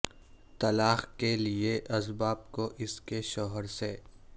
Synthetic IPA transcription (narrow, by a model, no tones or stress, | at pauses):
t̪ɐlaːxkelieʔɐzbaːb̚koʔɪskeʃɔːɦəɾseː